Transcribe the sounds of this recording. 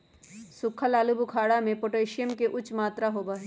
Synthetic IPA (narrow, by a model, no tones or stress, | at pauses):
sʊkʰəlaːlubukʰaːɽamẽpoʈeːʃɪjəmkeʔʊt͡ʃmaːt̪ɾaɦoːbaːɦe